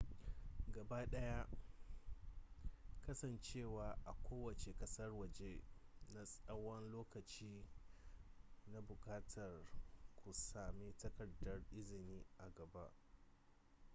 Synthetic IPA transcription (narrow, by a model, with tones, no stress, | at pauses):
ɡɐ˨ba˦ɗɐ˦ja˦ | kɐ˦sɐ˨nt͡ʃeː˦˨waː˨ʔa˨kʷoː˦wɐ˨t͡ʃe˨kɐ˦sɐ˦rwɐ˨d͡ʒe˦na˦sʼɐ˦wɔ˦nloː˦kɐ˨t͡ʃiː˦ | na˦bʊ˨kaː˦tʰɐ˨rkʷu˨saː˨mi˦tɐ˦kɐ˨dɐ˨rʔɪ˦zɪ˨niː˦ʔa˨ɡɐ˨ba˦ʔ